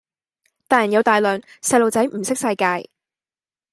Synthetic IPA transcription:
t̪aː˨jɐ˨˩njɐ˨˧wt̪aː˨jlœː˨ŋsɐ˧jlo˨wt͡sɐ˨˥jm̩˨˩sɪ˥k̚sɐ˧jkaː˧j

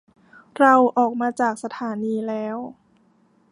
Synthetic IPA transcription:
ɾa˧wʔɔː˨˩k̚maː˧t͡ɕaː˨˩k̚sa˧t̪ʰaː˩˦niː˧lɛː˦˥w

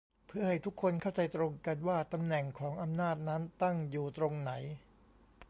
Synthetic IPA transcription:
pʰɯ˥˩ɐha˥˩jt̪ʰu˦˥kʰːo˧nkʰa˥˩wt͡ɕa˧jt̪ɾo˧ŋka˧nwaː˥˩t̪a˧mnɛ˨˩ŋkʰɔː˩˦ŋʔa˧mnaː˥˩t̪̚na˦˥nt̪a˥˩ŋjuː˨˩t̪ɾo˧ŋna˩˦j

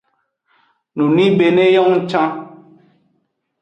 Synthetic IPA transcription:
nu˨ni˦be˨ne˦jɔ˦ŋ̩˦t͡ʃã˦

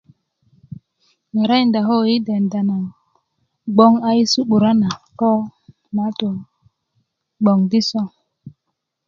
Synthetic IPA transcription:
ma˨ɾa˦jnda˨ɦo˦ji˦de˨nda˨na˨ŋ | ɡ͡bo˦ŋa˦i˦su˦ɓu˨ɾa˦na˨ko˦ | ma˨˦to˨ | ɡ͡bo˨ŋdi˦so˦ŋ

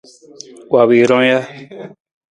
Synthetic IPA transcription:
wa˨βi˨ɾõ˦ja˦

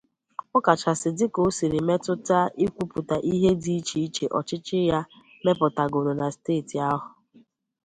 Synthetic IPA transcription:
ʊ˦ka˨t͡ʃa˨sɪ˨dɪ˦ko˨˦si˨ɾi˨me˦tʊ˦ta˦i˦kʷu˦pʊ˨ta˨ʔi˦ɦe˦di˦i˦t͡ʃi˦i˦t͡ʃe˨ʔɔ˨t͡ʃɪ˦t͡ʃɪ˦ja˦ | me˦pʊ˨ta˨ɡo˨ɾo˨na˨steː˦˨ti˨a˦ɦʊ˨

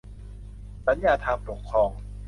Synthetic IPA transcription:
sa˨˦njaː˧t̪ʰaː˧mpo˨˩kʰːɾɔː˧ŋ

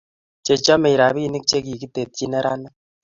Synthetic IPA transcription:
t͡ʃe˨t͡ʃa˦me˨i˨ɾa˨βiː˦ni˦k̚t͡ʃe˦ki˨ki˦te˨t̪̚t͡ʃi˦ne˦ɾʔa˦na˦

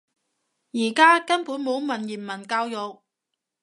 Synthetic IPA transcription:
jiː˨˩kaː˥kɐ˥npu˨˥nmo˨˥wmɐ˨˩njiː˨˩nmɐ˨˩nkaː˧wjɔ˨w

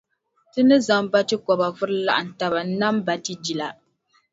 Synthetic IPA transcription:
tɨ˦nɨ˦za˨mba˦tɨ˦kɔ˨ba˨vʊ˦ɾɨ˦la̰˦ʔa˨n̩˨ta˨ba˨n̩˦na˦mba˨tɨ˦d͡ʒi˨la˨

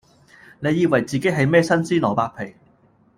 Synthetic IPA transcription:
ne˨˧jːiː˧wɐ˨˩jt͡siː˨ke˨˥ɦɐ˨˧jmɛː˥sɐ˥nsiː˥lɔː˨˩paː˧k̚pʰe˨˩j

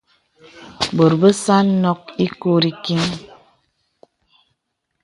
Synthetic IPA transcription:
bo˨ɾbə˦sa˦nɔ˦k̚i˦ko˦ɾi˦ki˦ŋ

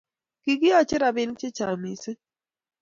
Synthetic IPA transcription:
ki˨ɡɪ˦ɔ˦t͡ʃɪ˦ɾa˨bɪ˦nt͡ʃɪ˦t͡ʃa˨mi˨sɪ˦

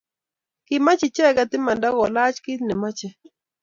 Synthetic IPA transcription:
kɪ˨ma˦t͡ʃɪ˨t͡ʃɛ˦ka˨t̪ɪ˦ma˨nda˦ɡɔ˨la˦t͡ʃkɪ˦t̪nɛ˨ma˦t͡ʃɛ˦

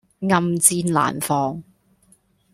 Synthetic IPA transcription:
ŋɐ˨mt͡siː˧nla̰ː˨˩nfɔː˨˧ŋ

